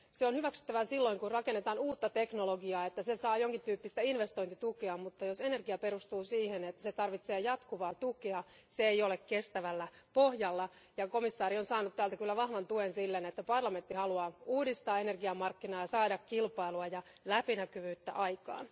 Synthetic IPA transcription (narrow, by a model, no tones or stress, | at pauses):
seonhyʋæksy̥t̪ːæʋæsilːo̞iŋkurrɑkenːet̪ɑːnuːt̪ːɑt̪eknoloɡiɑːet̪ːæsesɑːjoŋkint̪yːpːist̪æinʋest̪o̞int̪it̪ukeɑmut̪ːɑjose̞ne̞rɡiɑpe̞ɾust̪uːsiːhenet̪ːæset̪ɑrʋit̪seːjɑt̪kuʋɑːt̪ukeɑ | seeijo̞lekkest̪æʋælːæ | pohjɑlːɑ | jɑko̞misːɑːɾionsɑːnut̪t̪ːæːlt̪ækylːæʋɑhʋɑnt̪uensilːenet̪ːæpɑrlɑme̞nt̪ːihɑluɑːuːdist̪ɑːe̞ne̞rɡiɑmɑrkːinɑːjɑsɑːdɑkkilpɑiluɑjɑ | læpinækyʋyːt̪ːæ̰ʔɑikɑ̰ːn